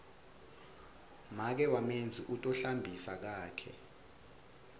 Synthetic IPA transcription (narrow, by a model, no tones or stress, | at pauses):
mak̬ɛwamend͡zʱiʔutʼɔɬambʱisak̬aːkʰɛ̰